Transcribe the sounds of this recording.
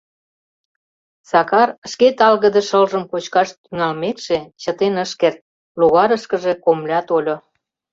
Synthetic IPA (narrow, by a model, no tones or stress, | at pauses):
sɑkɑrə̆ʃket̪ɑlɣə̆d̪ə̆ʃəlʒə̆mkot͡ɕkɑʃt̪yŋɑlmet̪ʃet͡ɕət̪enəʃkert̪̚ | luɣɑɾəʃkə̆ʒekomlʲɑt̪olʲo